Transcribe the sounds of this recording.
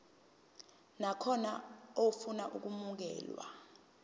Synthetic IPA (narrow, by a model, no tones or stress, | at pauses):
nakʰɔnaofunaʔuk̬umuk̬ɛ̰ːlwa̰